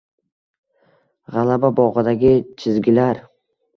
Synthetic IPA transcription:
ʁalababɒʁɨd̪aɡʲɪt͡ʃʰɪzɡʲɪlaɾ

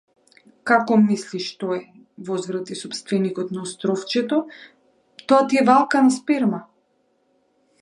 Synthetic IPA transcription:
kakɔmisliʃt̪ɔɛ | vɔzvɾat̪isɔpst̪vɛnikɔt̪naɔst̪ɾɔft͡ʃɛt̪ɔ | t̪ɔat̪iɛvalˠkanaspɛɾma

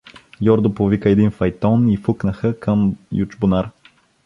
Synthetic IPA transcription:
jʲɔɾd̪ʊpovikəɛd̪infɐjt̪ɔnifuknəxəkəmjut͡ʃbʊnaɾ

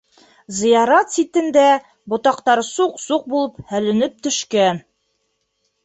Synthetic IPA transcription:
zɤ̆jɑɾɑt̪sit̪ɘ̆nd̪æ | bŏt̪ɑqt̪ɑɾsuqsuq̚bulˠɤp̚hælɘ̆nɘp̚t̪ɵ̆ʃkæn

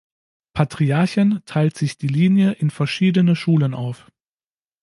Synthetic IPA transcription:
pʰatʁ̥iaɐçəntʰaɪltz̥ɪçd̥iːliːnjəʔɪnfɛɐʃiːdənəʃuːlənʔa̰ʊf

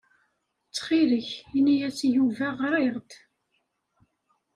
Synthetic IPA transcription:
t͡sːχiləçinijæt͡sːjuvæʁɾˤeɾˤt̪

